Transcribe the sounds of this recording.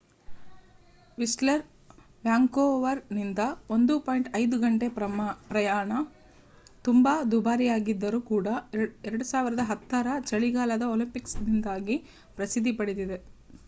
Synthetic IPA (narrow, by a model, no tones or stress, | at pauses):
ʋislɐɾ | ʋjaːŋkoːʋɐɾnind̪ɐo̞nd̪upoːjiɳʈɐjd̪uɡɐɳʈe̞pɾɐjaːɳɐ | t̪umbaːd̪ubaːɾijaːɡid̪ːɐɾuːkuːɽɐɛɾɐɽusaːʋiɾɐd̪ɐɦɐt̪ːɐɾɐt͡ʃɐɭiɡaːlɐd̪ɐoːlimpiksdind̪aːɡi | pɾɐsid̪ʱːipɐɽid̪id̪e